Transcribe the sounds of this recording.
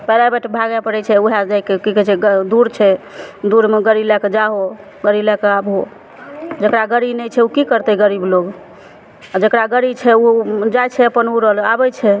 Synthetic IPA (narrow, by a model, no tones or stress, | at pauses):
pɛɾabeʈʰbʱaɡɛpəɾɛt͡ʃʰɛuɦad͡ʒajkekikɛt͡ʃʰɛɡəd̪uɾt͡ʃʰɛd̪uɾmeɡəɾilɛked͡ʒaɦo | ɡəɾilɛkeabo | d͡ʒəkɾaɡəɾibnɛjt͡ʃʰɛukikəɾt̪ɛɡəɾibloɡ | ad͡ʒəkɾaɡəɾit͡ʃʰɛud͡ʒajt͡ʃʰɛəpənuɾəɦəlabɛt͡ʃʰɛ